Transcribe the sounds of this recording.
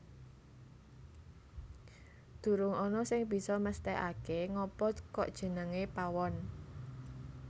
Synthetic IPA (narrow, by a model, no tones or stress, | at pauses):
d̪̥ṳɾʊŋɔnɔsɪŋb̥i̤sɔməst̪ɛʔa̰keŋɔpɔkɔ̰ʔd̥ʒ̥ə̤nəŋepawɔn